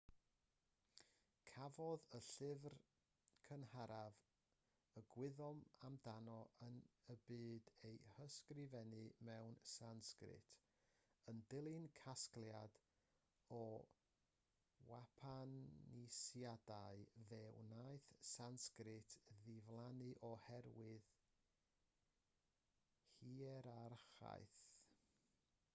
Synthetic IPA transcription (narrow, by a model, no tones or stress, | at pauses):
kʰavɔðəɬɪvr | kʰənhaɾav | əɡwɪðɔmamdanɔənəbɨːdejhəskrɪvɛnɨmɛwnsanskrɪ̰tʰ | əndɪlˠɨnkʰasklˠjad | ɔ | wapʰanisjadaɨðɛwnaɨθsanskrɪtʰðɪvlˠanɨʔɔhɛrwɪð | hiɛɾarχa̰jθ